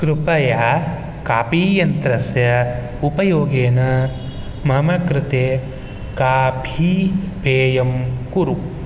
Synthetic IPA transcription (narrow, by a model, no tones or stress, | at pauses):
kɾupɐjaː | kaːpiːjɐnt̪ɾɐsjɐ | upɐjoːɡeːnɐ | mɐmɐkɾɪt̪eː | kaːpʰipeːjɐmkuɾu